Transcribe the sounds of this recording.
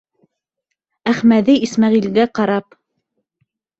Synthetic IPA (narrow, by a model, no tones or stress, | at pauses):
æχmæðiismæʁilɡæqɑɾɑp